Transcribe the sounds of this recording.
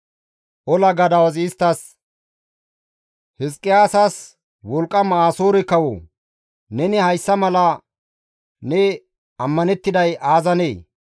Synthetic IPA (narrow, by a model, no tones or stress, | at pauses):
ʔɔlɐɡɐd̪ɐwɐzɪːst̪ːɐs | hɪskʼːɪjaːsɐs | wɔlkʼːɐmɐaːsoːɾɪkɐwo̰ | nɛnɪhɐjsːɐmɐlɐ | nɛ | ɐmːɐnɛt̪ːɪd̪ɐjaːzɐneː